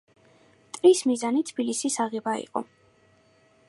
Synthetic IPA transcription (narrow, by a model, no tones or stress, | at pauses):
t̪ʼɾismizanit̪ʰb̥ilisisaʁɛbaḭqʼɔ̰